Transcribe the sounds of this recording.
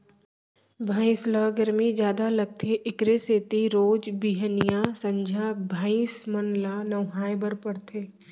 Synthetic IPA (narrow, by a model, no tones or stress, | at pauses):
bʱaːɪ̃slaːɡəɾmid͡ʒjaːd̪alɐɡ̚t̪ʰeʔɪkɾeseːt̪iɾoːd͡ʒbiːɦənijasɐ̃ɲd͡ʒʱaːbʱaːĩsmənlanɐʋɦaːjbəɾpəɽt̪ʰeː